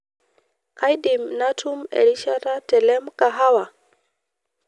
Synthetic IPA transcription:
ka˦jɗi˨mna˦tʰu˦mḛ˨li˦ʃa˦ɾa˦tɛ˨lɛ˦mka˨ɦa˦wa˨

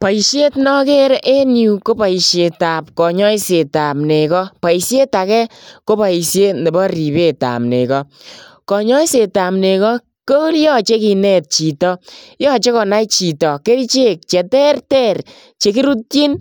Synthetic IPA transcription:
pa˨i˨ʃje˦tnɔ˦ke˦ɾʔe˦nju˨ko˦pa˨i˨ʃje˨ta˨p̚kɔ˨ɲɔ˦i˦se˨ta˨mne˨kɔ˦pa˨i˨sje˦ta˨kɛ˦ko˦pa˨i˨sje˦tne˨bɔ˦ɾi˨be˦˨ta̰˨mnḛ˨kɔ˦kɔ˨ɲɔ˦i˦se˨ta˨mne˨kɔ˦ | ko˦ljɔ˦t͡ʃe˦ki˨nɛ˦˨t̚t͡ʃi˨tɔ˦jɔ˦t͡ʃe˦kɔ˨na˦it͡ʃi˨tɔ˨ke˦ɾi˦t͡ʃe˦k̚t͡ʃɛ˨tɛ˦rtɛ˦ɾ | t͡ʃe˨ki˦ɾu˦t̚ji˦n

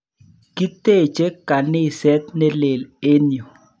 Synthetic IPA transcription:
ki˦t̪e˦˨t͡ʃe˦ka˨nɪ˦˨sɛ˦t̪ne˦le˨le˦njo˨

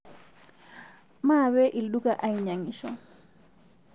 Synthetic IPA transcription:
ma˦βɛ˦ʔi˨lɗu˦kaʔa˦iɲa˨ŋi˨ʃɔ

